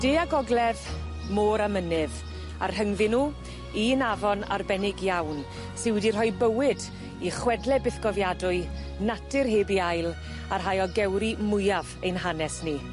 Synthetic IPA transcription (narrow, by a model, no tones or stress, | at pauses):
d̥eːaɡɔɡlˠɛð | moːɾamənɨv | a̰rhəŋvɪnu | inavɔna̰rbɛnɪɡjawn | sɪnwɛdir̥ɦɔjbəwɪd | iχwɛdlɛbɪθɡ̥ɔvjadʊɨ | natʰɨrɦeːbiajlˠ | arɦajɔɡɛwɾimʊjavejnɦanɛsni